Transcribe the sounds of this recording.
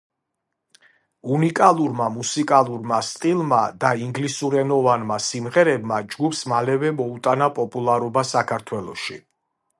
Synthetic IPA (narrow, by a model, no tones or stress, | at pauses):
unikʼalˠuɾmamusikʼalˠuɾmast̪ʼilˠmad̪aiŋɡlisuɾɛnɔvanmasimʁɛɾɛbmad͡ʒɡupsmalɛvɛmɔut̪ʼanapʼɔpʼulˠaɾɔbasakʰaɾt̪ʰwɛlˠɔ̰ʃḭ